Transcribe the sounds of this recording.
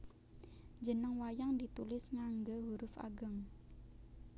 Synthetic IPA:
d͡ʒənəŋwajaŋdit̪ulɪsŋaŋɡəɦuɾʊfa̰ɡəŋ

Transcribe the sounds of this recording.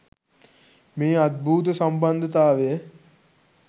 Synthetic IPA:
meːad̪̚bʱuːt̪̬əsamband̪ʱət̪aːʋejə

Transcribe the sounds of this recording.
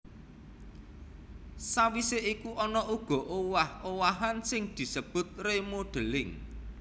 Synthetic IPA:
sawiseʔikuʔɔnɔʔuɡ̥ɔ̤ʔowahowaɦansɪŋd̪̥i̤səb̥ʊ̤t̪̚remoɖ̪̥ə̤lɪŋ

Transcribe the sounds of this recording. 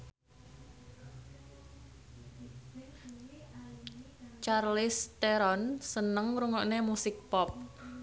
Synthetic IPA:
t͡ʃarlɪst̪eɾɔnsənəŋɾuŋɔʔnemusɪk̚pɔp̚

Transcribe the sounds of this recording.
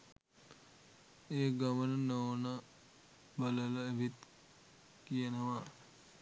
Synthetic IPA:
eːɡamənənoːnə | bələləeʋit̪ | kijənəʋa

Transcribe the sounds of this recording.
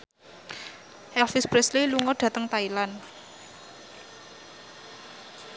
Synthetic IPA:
hɛlfispɾɛsliluŋɔɖ̥ä̤t̪əŋt̪ailan

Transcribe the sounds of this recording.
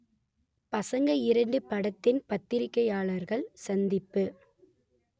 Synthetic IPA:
pɐsɐŋɡɐɪɾɐɳɖɯpːɐɽɐt̪ːɪnpɐt̪ːɪɾɪkːɐjaːɭɐɾɣɐɭsɐnd̪ɪpːɯ

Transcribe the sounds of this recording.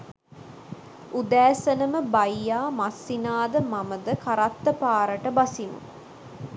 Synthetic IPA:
ud̪æːsənəməbajːaːmasːinaːd̪əmaməd̪əkaɾat̪ːəpaːɾəʈəbasinṵ

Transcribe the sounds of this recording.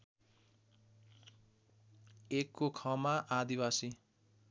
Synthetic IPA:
ekːokʰʌmaʔad̪iwasi

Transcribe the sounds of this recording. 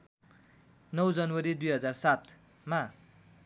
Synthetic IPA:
nʌwd͡zʌnwʌɾid̪ujɦʌd͡zarsat̪ | ma

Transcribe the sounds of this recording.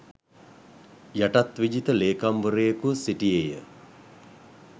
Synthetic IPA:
jaʈat̪ʋid͡ʒit̪əleːkamʋəɾejəkusiʈijejə

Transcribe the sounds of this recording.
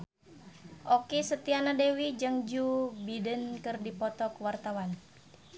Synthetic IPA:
ʔɔkisət̪ianadewid͡ʒəŋd͡ʒubidənkɨrdipɔt̪ɔkwart̪awan

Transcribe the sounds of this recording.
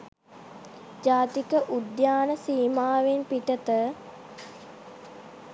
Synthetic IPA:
d͡ʒaːt̪ikəʔud̪jaːnəsiːmaːʋenpiʈət̪ə

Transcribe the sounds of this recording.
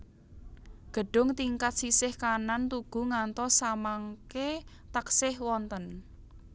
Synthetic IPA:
ɡ̥ə̤ɖ̥ʊ̤ŋt̪iŋkat̪̚sisɪhkanant̪uɡ̥ṳŋant̪ɔsamaŋke | t̪aksɪhwɔnt̪ən

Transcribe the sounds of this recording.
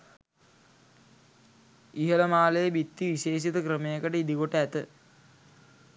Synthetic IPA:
iɦələmaːləjəbit̪ːiʋiʃeːʃ̬it̪əkɾəmejəkəʈəid̪iɡoʈəæt̪ə

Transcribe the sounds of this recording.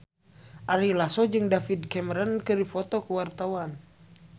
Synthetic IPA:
ʔaɾilasɔd͡ʒɨŋdafidkɛmɛɾənkɨdifɔt̪ɔkəwart̪awan

